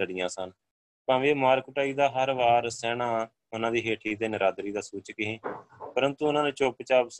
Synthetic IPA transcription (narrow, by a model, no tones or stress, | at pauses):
əɽɪjãːsən | pãːʋeːmaːɾkʊʈaːiːd̪aːɦəɾʋaːɾsɛːɳãː | ʊnãːd̪iːɦeːʈʰiːt̪eːnəɾaːd̪ɾiːd̪aːsuːt͡ʃkɪɦĩːpəɾənt̪uːʊnãːnẽːt͡ʃoːpt͡ʃaːbs